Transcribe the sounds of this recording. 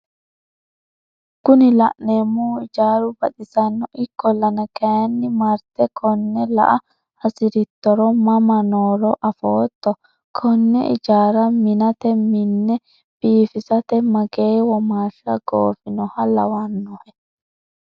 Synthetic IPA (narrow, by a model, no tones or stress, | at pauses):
kʊnɪlɐ̰ʔneːmːuːɪd͡ʒaːɾʊbɐɗɪsɐnːɔʔɪkːɔlːɐnɐkɐjɐnːɪmɐɾt̪ɛkʰɔnːɛlɐ̰ʔɐ | ɐsɪɾɪt̪ːɔɾɔmɐmɐnoːɾɔʔɐfoːt̪ːɔ | kʰɔnːɛ̰ʔɪ̰d͡ʒaːɾɐmɪnɐt̪ɛmɪnːɛ | b̥iːfɪsɐt̪ɛmɐɡeːwɔmaːʃɐɡoːfɪnɔhɐlɐwanːɔhɛ